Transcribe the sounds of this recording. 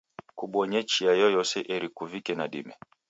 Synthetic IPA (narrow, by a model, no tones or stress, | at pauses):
kuɓɔɲɛt͡ʃiajɔjɔsɛʔɛɾikuvikɛnaɗḭmɛ